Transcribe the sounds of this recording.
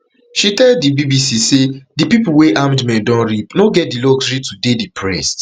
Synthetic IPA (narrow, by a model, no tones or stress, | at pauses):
ʃitɛlddibibisisedipipuweʔamdmɛ̃dɔ̃nɹipnoɡɛt̚diloɡsɹitudedipʰɹɛst